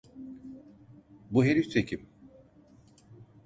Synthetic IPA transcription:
buɦeɾit̪ʰecʰim

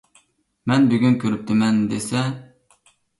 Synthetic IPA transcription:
mɛnbyɡʲynkʲʰøɾyp̚t̪ʰɪmɛnd̪esɛ

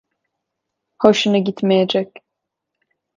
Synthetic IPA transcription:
hoʃunɯɟit̪mejed͡ʒɛc

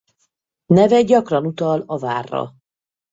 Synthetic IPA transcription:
nɛvɛɟɒkrɒnut̪ɒlɒva̰ːrːɒ̰

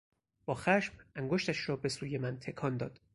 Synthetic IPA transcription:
b̥ɒːxæʃmʔæŋɡoʃt̪æʃɾɒːbe̞suːje̞mænt̪ʰe̞kʰɒːnd̪ɒːd̪̥

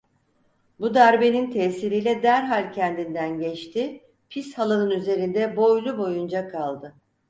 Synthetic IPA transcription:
bud̪æɾbe̞nint̪ʰɛːsiɾijlʲɛd̪æɾɦalʲcʰɛnd̪ind̪ænɟɛt͡ʃt̪ʰɪ | pʰishalˠanɯnyze̞ɾind̪ɛbo̞jlˠubo̞jund͡ʒakʰalˠd̪ɯ

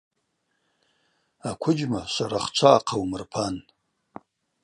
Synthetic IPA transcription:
akʷʰʊd͡ʒmaʂʷaɾaχt͡ʃʷʰaːqʰawmɨrpʰan

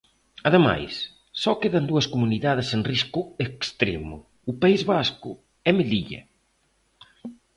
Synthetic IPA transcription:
ɐðema̰jsː | ɔkeðɐnd̪uɐskomuniðaðɪsenriskʊekst̪ɾḛmʊ̰ | ʊpaizβaskʊ̰ | ɛmeliʎɐ̰

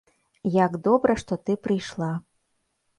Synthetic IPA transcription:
jaɡd̪ɔbɾɐʂt̪ɔt̪ɨpɾɨjʂlˠa

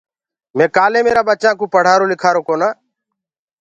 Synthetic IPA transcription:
mẽːkaːlẽːmeːɾaːɓət͡ʃãːkũːpəɽ̤aːɾoːlɪkʰaːɾoːkoːnaː

